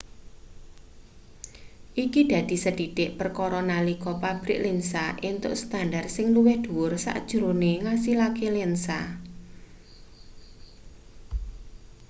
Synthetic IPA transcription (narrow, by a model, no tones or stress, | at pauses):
ʔikid̪̥ä̤d̪̥i̤səd̥i̤dɪʔpərkɔɾɔnalikɔpab̥ɾɪ̰ʔlensaʔint̪ʊ̰ʔst̪andarsɪŋluwɪhd̪̥uwʊrsa̰ʔd̥ʒ̥uɾoneŋasilakelensa̰